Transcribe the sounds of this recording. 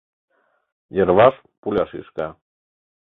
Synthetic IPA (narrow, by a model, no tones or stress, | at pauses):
jəɾβɑʃ | pulʲɑʃḭʃkɑ